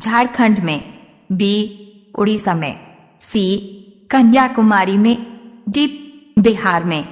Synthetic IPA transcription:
d͡ʒʱaːɽkʰə̃ɳɖmẽ | biː | ʊ̰ɽisɐməɪ | siː | kɐnjakʊmaːɾimẽɖiːp̚beɦaːɾmẽ

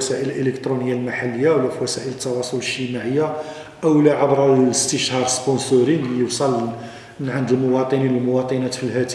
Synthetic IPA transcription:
sæʔələlʔələkt̪ɾunəjːalmaħalːəjːawlːæfiwæsæʔələt̪ːɑwɑsˤoləʒtəmaʕəjːa | ʔəwlæʕabɾæəst̪əʃhɑɾˤsponsuɾinjəwsˤɑl | mənʕand̪umʊwɑt̪ˤəninəlmʊwɑt̪ˤinæt̪filhæt̪

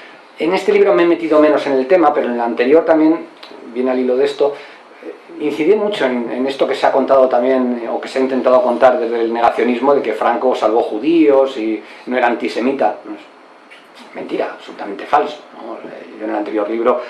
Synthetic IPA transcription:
e̞ne̞st̪e̞liβɾo̞meme̞t̪iðo̞meno̞se̞ne̞lt̪e̞mape̞ɾoenlant̪e̞ɾjo̞ɾt̪ambje̞nbje̞nalilo̞ð̞e̞st̪o | inθiðemut͡ʃo̞e̞nḛne̞st̪o̞ke̞seako̞nt̪að̞o̞t̪amje̞no̰ke̞seaint̪e̞nt̪aðoko̞nt̪aɾðe̞zðe̞lne̞ɣaθjo̞nizmo̞ðe̞ke̞fɾaŋko̞salβ̞o̞xuðio̞sinoeɾaːnt̪ise̞mit̪anoes | mẽ̞nt̪iɾa̰ːβ̥solut̪ame̞nt̪e̞falso̥noʝoenelant̪e̞ɾjo̞ɾliβɾo̞

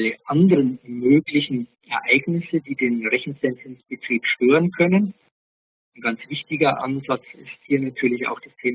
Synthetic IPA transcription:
ləʔandəʁənmøːɡlɪçn̩ | ɛɐʔaɪɡnɪsədiːdeːnʁɛçn̩sɛntɪnsb̥ətʁ̥iːpʃtøːʁənkʰœnən | anɡant͡sv̥ɪçtɪɡɐʔa̰nzat͡sɪ̰sthiːɐnatʰyːɐlɪça̰ʊxd̥astʰeː

